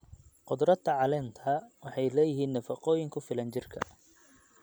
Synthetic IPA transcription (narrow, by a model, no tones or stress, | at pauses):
qʊd̪ɾɐd̪ʰɐʕɑlɛːnt̪ʰɐwɑħɑjlɛːjɪɦiːnːɐfɑqɔːjɪŋkʰʊfɪlɐnt͡ʃɪrkʰɐ̰